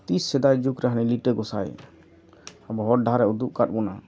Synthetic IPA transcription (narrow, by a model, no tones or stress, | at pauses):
t̪isːɛd̪ajd͡ʒukɾaɦniliʈəɡɔsa̰j | abɔɦɔɖʱaɾɛud̪uʔ̚kat̚buna̰